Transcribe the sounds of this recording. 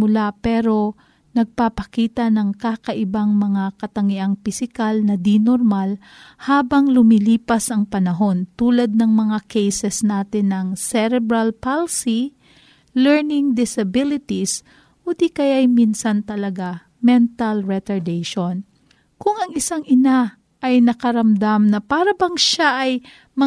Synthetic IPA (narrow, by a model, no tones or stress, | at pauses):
mʊlapɛɾo̞ | nɐɡ̚papɐkiːt̪ɐnɐŋkaːkɐʔɪbaŋmɐŋakɐt̪ɐŋɪʔaŋpɪsɪkalnɐd̪inoɾmal | haːbɐŋlʊmiliːpɐsʔɐŋpɐnɐɦo̞nt̪uːlɐd̪̚nɐŋmɐŋakɛjsɛsnaːt̪ɪnɐŋsɛɾɛbɾɐlpalsi | lɛɹnɪŋd̪ɪsɐbɪlɪt̪is | ʔod̪ikɐjaʔɐjminsɐnt̪ɐlɐɡa | mɛnt̪ɐlɹɛt̪ɐɹd̪ɛjʃon | kʊŋɐŋɪsaŋʔɪna | ʔɐjnɐkɐɾɐmd̪amnɐpaːɾɐbɐŋʃaʔɐj | mɐ